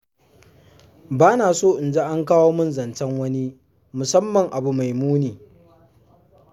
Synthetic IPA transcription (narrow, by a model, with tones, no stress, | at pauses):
baː˦naː˨soː˦˨ʔɪ˨nd͡ʒe˦ʔa˦ŋkaː˦woː˦mʊ˦nzɐ˨nt͡ʃɐ˦ŋwɐ˦ni˦ | mʊ˨sɐ˦mːɐ˨ŋʔa˨bu˨ma˨jmuː˦neː˨